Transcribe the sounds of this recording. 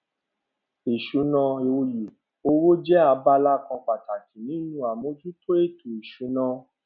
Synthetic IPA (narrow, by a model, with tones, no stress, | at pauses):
i˨ʃu˨˦nã˧e˧o˧je˨ | o˧wo˦d͡ʒɛ˦a˧ba˦la˦kã˧k͡pa˨ta˨ki˨˦nĩ˨˦nũ˦a˨mõ˨˦d͡ʒu˦to˦e˦˨tu˨i˨ʃu˨˦nã˧